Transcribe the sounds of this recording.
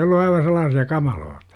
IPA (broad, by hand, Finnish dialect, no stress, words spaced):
olːu ɑiʋɑ selˑɑːsiɑ kɑmɑloːtɑ̥